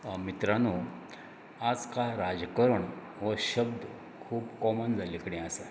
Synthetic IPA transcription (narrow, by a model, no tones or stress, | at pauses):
mit̪ɾanu | ad͡zkaɾad͡zəkəɾəɳ | ʋəɕəbd̪ | kʰuːpkɔmənd͡zalikɽɛ̃asa